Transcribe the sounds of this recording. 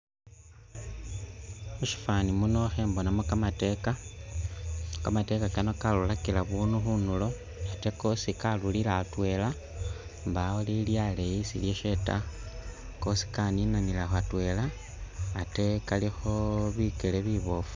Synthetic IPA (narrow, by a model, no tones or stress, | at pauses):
uʃi̥fanimunoxembo̞namokamate̞ka | kamate̞kakanokalulakilaβuːnuxunulo̞ | ate̞ko̞sikalulilaːtwe̞la | mbaoliljalejisiljeʃe̞ta̰ | ko̞si̥kaninanilaxatwe̞laː | te̞kalixo̞βikeleβiβo̞fu̥